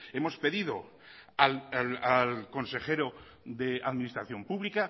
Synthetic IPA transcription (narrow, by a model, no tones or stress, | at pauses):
e̞mo̞spe̞ðiðo̰ | alalalko̞nse̞xe̞ɾo | ðeaðminist̪ɾaθjo̞mpuβlika